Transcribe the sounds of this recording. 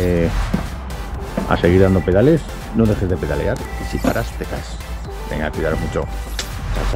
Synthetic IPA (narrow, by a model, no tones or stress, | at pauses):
e | a̰seɣiɾðand̪opeðales | noðexezðepeðalḛaɾisipaɾʔast̪eka̰s | d̪ḛŋakwiðaɾmut͡ʃo̰ | kas